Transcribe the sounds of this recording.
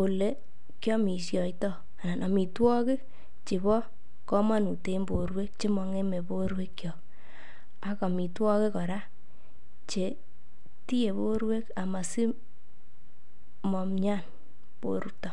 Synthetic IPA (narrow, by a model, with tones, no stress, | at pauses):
o˨le˨˦ | kjɔ˦mi˨sjɔ˨itɔ˦ | a˨na˨nʔɔ˨mi˨twɔ˦kɪ˦ | t͡ʃe˨βɔ˦ | kɔ˦ma˦nu˨te˦mbo˨ɾwe˦k̚t͡ʃe˦mɔ˧ŋe˦me˨bo˦ɾwe˦kkjɔ˨k | a˨kɔ˨mi˨twɔ˦ke˦kɔ˨ɾa˦ | t͡ʃe˨ | ti˦je˨βo˦ɾwe˦ka˨ma˨si˦ | mɔ˨mɲa˦˨n | po̰˨ɾu˦tɔ˨